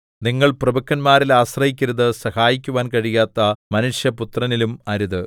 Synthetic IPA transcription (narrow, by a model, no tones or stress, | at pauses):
niŋːɐɭprɐbɐkːɐnmaːɾilaːsrɐjikʲːiɾɐðɨsɐhaːjikʲːuʋaːnkɐɻijaːt̪ːɐmɐnuʂjɐput̪rɐnilumɐɾuðɨ